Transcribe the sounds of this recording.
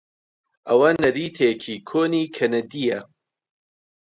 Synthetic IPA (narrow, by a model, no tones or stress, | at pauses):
ʔɐwɐnɐɾiːt̪ʰekʰikʰoːniːkʰɐnɐd̪ijɐ